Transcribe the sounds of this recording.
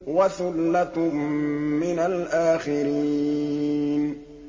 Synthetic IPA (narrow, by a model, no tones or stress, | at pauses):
waθʊlːat̪ː | ɪnalʔaːxɪɾi | n